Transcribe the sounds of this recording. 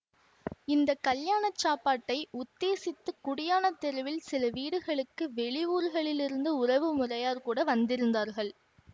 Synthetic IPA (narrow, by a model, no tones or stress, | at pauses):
ɪnd̪ɐkːɐljaːɳɐt͡ʃːaːpːaːʈːɐɪʔʊt̪ːeːsɪt̪ːɯkːʊɽɪjaːnɐt̪ːɛɾɐʋɪlsɪlɐʋiːɽɯɣɐɭɯkːɯʋɛɭɪuːɾɣɐɭɪlɪɾɯnd̪ɯʊrɐʋɯmʊrɐjaːɾkuːɽɐʋɐnd̪ɪɾɯnd̪aːɾɣɐɭ